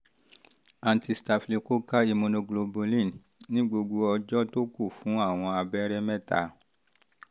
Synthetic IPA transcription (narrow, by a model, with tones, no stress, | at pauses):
ã˨˧nti˧sta˧fli˨ko˦ka˦i˧mõ˧nõ˧ɡlo˧bo˧lĩ˦˨n | nĩ˦ɡ͡bo˧ɡo˧ɔ˧d͡ʒɔ˦to˦ku˦˨fũ˨˦a˦˨w̃ɔ̃˧a˧bɛ˦ɾɛ˦mɛ˦˨ta̰˧˨